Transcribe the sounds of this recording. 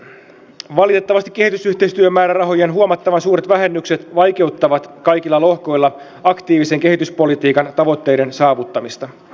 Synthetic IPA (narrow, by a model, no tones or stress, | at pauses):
ʋɑlit̪e̞t̪ːɑʋɑst̪i̥kːe̞hit̪ysyht̪e̞ist̪yømːæːɾærɑɦo̞jenɦuomɑt̪ːɑʋɑnsuːɾet̪ʋæɦe̞nːykse̞t̪ʋɑjke̞ut̪ːɑʋɑt̪kɑjkilːɑlo̞hko̞jlːɑ | ɑkt̪iːʋiseŋke̞ɦit̪yspo̞lit̪iːkɑnt̪ɑʋo̞t̪ːe̞jde̞nsɑːʋut̪ːɑmist̪ɑ